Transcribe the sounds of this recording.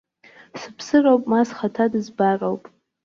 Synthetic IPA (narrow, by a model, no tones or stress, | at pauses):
sɨpʰsɨrowpʼmasχatʰadɨzbarowpʼ